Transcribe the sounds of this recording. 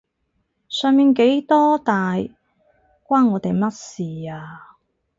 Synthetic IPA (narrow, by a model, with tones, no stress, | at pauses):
sœː˨˧ŋmiː˨˧nke˨˥jt̪ɔː˥t̪aː˨j | kʷaː˥nːɔː˨˧t̪e˨jmɐ˥t̚siː˨˩aː˧